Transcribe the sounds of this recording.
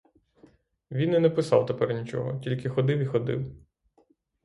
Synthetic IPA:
ʋʲinɛnɛpɪsɑ̰wt̪epɛrnʲit͡ʃɔ̰ɦɔ̰tʲilʲkɪxɔd̪ɪwixɔd̪ɪ̰w

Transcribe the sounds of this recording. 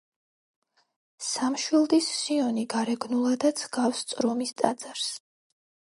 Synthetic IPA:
samʃwilˠd̪isːiɔniɡaɾɛɡnulˠad̪at̪sʰɡafst̪sʼɾɔmist̪ʼa̰d̪z̥aɾs

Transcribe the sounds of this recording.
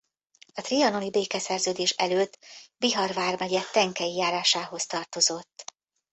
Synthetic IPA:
ɒt̪riɒno̞mibeːkɛsɛrzøːd̪eːʃɛ̰løːt̪ːbiɦɒrvaːrmɛɟɛt̪ɛŋkɛjijaːɾaːʃaːɦo̞st̪ɒrt̪o̞zo̞t̪ː

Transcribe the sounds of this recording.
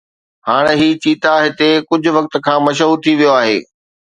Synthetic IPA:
haːɽ̃eɦiːt͡ɕiːt̪aɦɪt̪ekʊd͡ʑʱʊ̆ʋɐk̚t̪̆kʰãːmɐʃ̬ɦuːɾt̪ʰiʋijoaːɦḛː

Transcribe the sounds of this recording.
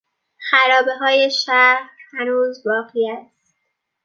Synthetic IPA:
xæɾɒːbe̞ɦɒːje̞ʃæɾhænuːzbɒːɣiːæst̪

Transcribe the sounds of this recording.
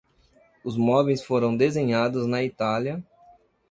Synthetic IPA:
ʊzmɔbejsfoɾɐ̃w̃d̪ezẽɲad̪ʊznɐit̪aljɐ

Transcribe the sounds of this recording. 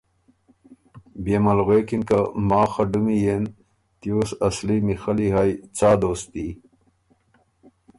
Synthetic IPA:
beːmɐlɣeːkinkɐmaːxɐɖumijen | t̪ijuːsɐslimixɐliɦajt͡saːd̪oːst̪i

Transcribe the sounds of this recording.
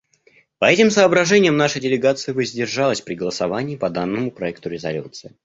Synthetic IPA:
pɐɛtʲɪmsəːbɾɐʐɛnʲɪjəmnaʂɨjdʲɪlʲɪɡat̪sɨɪvəzʲdʲɪrʐalˠəsʲpɾʲɪɡəlˠəsɐvanʲɪːpɐd̪anːɨmʊpɾɐɛkt̪ʊɾʲɪzɐ̰lʲṵt̪sɨɪ

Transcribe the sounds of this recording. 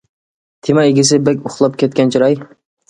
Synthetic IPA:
t̪ʰemɑeɡʲɪs̬ɪbɛkʲʊχlˠɑp̚kʲʰɛt̪̚kʲɛnt͡ʃʰiɾɑj

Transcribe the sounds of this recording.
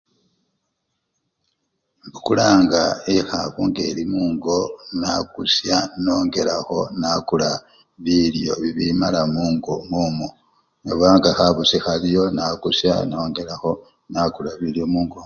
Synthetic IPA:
mbukulaːŋɡaexaβuŋɡe̞ːlimuːŋɡo̞nakusjano̞ːŋɡe̞laxo̞nakula | βiljo̞βiβimalamuːŋɡomumo | neβaːŋɡaxaβusixaljo̞nakusja̰no̞ːŋɡe̞laxo̞ | nakulaβiljo̞muːŋɡo

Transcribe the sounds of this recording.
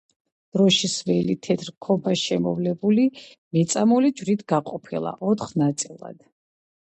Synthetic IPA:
d̪̥ɾɔʃisvɛlit̪ʰɛt̪ʰɾkʰɔbaʃɛmɔ̰vlɛbuli | mɛt̪sʼamɔlid͡ʒvɾit̪ʰɡ̥aqʼɔpʰilˠa̰ʔɔt̪χnat̪sʼilˠa̰d̪̥

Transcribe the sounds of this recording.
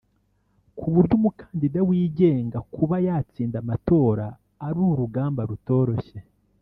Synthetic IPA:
kʰuβuɾɟumukḁːndidawiːɟe̞ːŋɡakuβajaːt͡siːndamato̞ːɾaː | ɾuɾuɡaːmbaɾuto̞ːɾo̞çe̞

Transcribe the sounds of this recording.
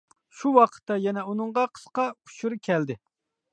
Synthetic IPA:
ʃuwɑqʰə̥t̪ːɑjɛnɛunɨɴʁɑqʰə̥sqɑkʰu̥ʃuɾkʲʰɛld̪ɪ

